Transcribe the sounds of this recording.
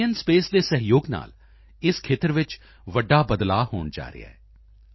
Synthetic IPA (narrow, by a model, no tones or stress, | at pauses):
ənspeːsd̪eːsəɦɪjoːɡna̰ːl | ɪskʰeːt̪əɾʋɪt͡ʃ | ʋəɖːaːbəd̪laːɦo̰ːɳd͡ʒa̰ːɾɪ̰a̰ːɛ